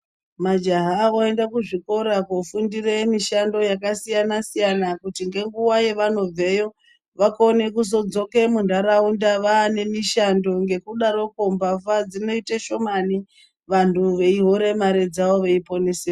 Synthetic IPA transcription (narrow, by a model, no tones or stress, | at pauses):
mad͡ʒaɦaoe̞ndakuʐiko̞ɾakofundiremiʃando̞jakasijanasijanakutiŋɡe̞ŋɡuwaje̞ʋano̞b͡ve̞jo̞ | ʋakone̞kuzo̞d͡zo̞ke̞mundaɾaundaʋaːne̞miʃando̞ŋɡe̞kuɗaɾo̞ko̞mbafad͡zino̞iteʃo̞mani | ʋantʰuʋe̞iɦo̞ɾe̞maɾe̞d͡zaʋo̞ʋeipo̞neseo